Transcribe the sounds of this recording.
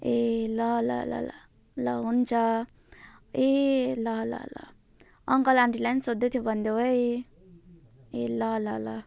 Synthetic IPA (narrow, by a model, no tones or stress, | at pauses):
elʌlʌ̰la̰la̰ | lʌɦunt͡sʰʌ | elʌlʌ̰lʌ̰ | ʌŋkʌlaɳʈilajnsod̪ʱet̪ʰjobʱʌnd̪joɦoj | elʌlʌlʌ